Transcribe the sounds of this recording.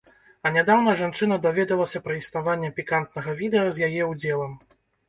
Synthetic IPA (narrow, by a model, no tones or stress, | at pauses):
ɐnʲad̪awn̪ɐʐant͡ʂɨnɐd̪avʲɛd̪ɐlˠɐsʲɐpɾɐisnavanʲːɛpʲikant̪̚nɐɣɐvʲid̪ɛɐzʲjajɛuwd͡zʲɛlˠɐm